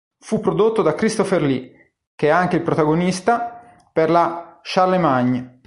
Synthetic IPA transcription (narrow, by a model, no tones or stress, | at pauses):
fupːɾod̪ot̪ːod̪akɾist̪oferli | k̟eɛaŋk̟eilpɾot̪aɡonist̪a | perlaʃalːemaɲː